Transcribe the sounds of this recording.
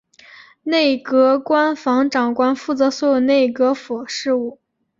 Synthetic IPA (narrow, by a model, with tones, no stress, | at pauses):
ne˥˩ɪkɤ˧˥kwa˥nfɑ˧˥ŋʈ͡ʂɑ˨˩ŋkwa˥nfu˥˩t͡sɤ˧˥swɔ˧˥jo˨˩ʊne˥˩ɪkɤ˧˥fɔ˨˩ʂɻ̩˥˧u˥˩